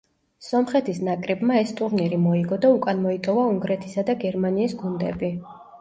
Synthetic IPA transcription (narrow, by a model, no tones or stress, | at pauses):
sɔmχɛt̪ʰisnakʼɾɛbmaɛst̪ʼuɾniɾimɔiɡɔd̪aukʼanmɔit̪ʼɔvauŋɡɾɛt̪ʰisad̪aɡɛɾmaniːsɡund̪ɛ̰bi